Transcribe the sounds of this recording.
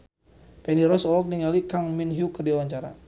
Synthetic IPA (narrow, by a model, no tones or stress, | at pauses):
pɛniɾɔsɔlɔk̚niŋalikaŋminɦjukərdiawaɲt͡ʃaɾa̰